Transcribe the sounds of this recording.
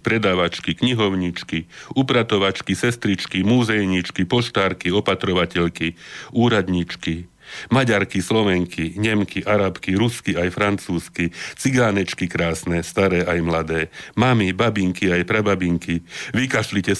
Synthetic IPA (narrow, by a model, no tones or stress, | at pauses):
pɾɛd̪aːʋat͡ʃkikɲiɦɔʊɲit͡ʃkiupɾat̪ɔʋat͡ʃkisɛst̪ɾit͡ʃkimuːzɛjɲit͡ʃkipɔʃt̪aːɾkiɔpat̪ɾɔʋacɛʎkiuːɾad̪ɲit͡ʃki | maɟaɾkislɔʋɛŋkiɲɛmkiʔaɾapkiɾuskiajfɾant͡suːskit͡siɡaːnɛt͡ʃkikɾaːsnɛst̪aɾɛːajmlad̪ɛːmamibabiŋkiajpɾɛbabiŋkiʋikaʃlicɛ